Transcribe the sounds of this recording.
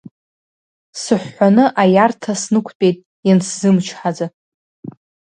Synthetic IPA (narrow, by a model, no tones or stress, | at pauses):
sɨħʷːanɨʔajartʰasnɨkʷʰtʼe̞jtʼ | janszɨmt͡ʃʰħad͡za